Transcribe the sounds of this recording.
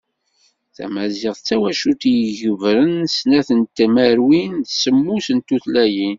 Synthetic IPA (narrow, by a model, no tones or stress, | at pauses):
θæ̰mæzɪʁθt͡sːæwæʃut̪jəʝəvɾənsnæθənt̪æmæɾwinθsəmːusənt̪ːuθlæjin